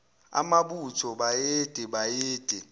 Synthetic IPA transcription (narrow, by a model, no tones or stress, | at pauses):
a̰maɓutʰɔɓajeːd̥ʱɛɓajeːd̥ʼʱɛ